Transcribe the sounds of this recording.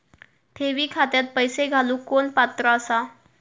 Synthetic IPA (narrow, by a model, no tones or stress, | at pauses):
t̪ʰeʋiːkʰat̪jat̪̚pəjseɡʱaluːkonpat̪ɾəːsa